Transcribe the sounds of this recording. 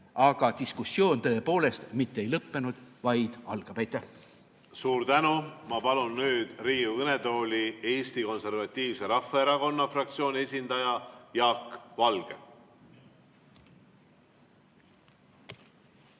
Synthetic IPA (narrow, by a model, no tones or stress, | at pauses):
ɑɡ̥ɑt̪iskusːjo̞ːnt̪ɤe̞po̞ːle̞st̪mit̪ːee̞jlɤpːe̞nud̪̥vɑjd̪̥ɑ̰lɡ̥ɑb̥æjt̪ːˑæ | suːɾt̪ænumɑpɑlunːyːd̪̥riːuɯnet̪o̞ːlʲie̞ːst̪iko̞nse̞rvɑt̪ʲːiːvse̞ɾɑfːɑeɾɑko̞nːɑfrɑk̚t̪sio̞ːnʲie̞sʲind̪̥ɑjɑjɑːkvɑlɡ̥ḛ